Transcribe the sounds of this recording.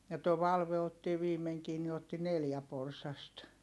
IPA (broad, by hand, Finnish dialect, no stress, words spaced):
jɑ toː ʋɑlʋe otːi ʋiːmeŋkiː ni otːi neljæ porsɑst